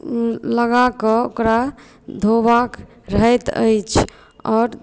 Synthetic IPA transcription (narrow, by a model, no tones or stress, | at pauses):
ləɡakɔo̰kɾa | d̪ʱobak | ɾəɦɛt̪ə̰jt͡ʃʰ | ɔːɾ